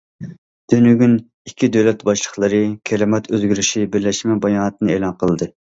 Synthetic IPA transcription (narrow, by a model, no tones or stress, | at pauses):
d̪̥ynyɡʲyn | ikʲʰːid̪øwlɛt̪bɑʃlˠəχlˠəɾɨkʲʰɛɾɪmɛt̪ʰøzɡʲyɾyʃibɪɾlɛʃmɛbɑjɑːnɨt̪̚ɨnɨeːlˠɑnqʰəlˠɨd̪ɨ